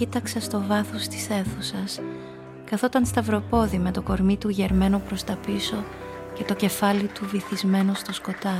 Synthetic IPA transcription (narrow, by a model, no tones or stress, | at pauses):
it̪ɐksɐst̪o̞vɐθost̪i̥se̞θusɐs | kɐθo̞t̪ɐnst̪ɐvɾo̞po̞ðime̞t̪o̞ko̞ɾmit̪uʝe̞ɾme̞nopɾo̞st̪ɐpiso̞ | ce̞t̪o̞ce̞fɐlit̪uviθizme̞no̞st̪osko̞t̪ɐ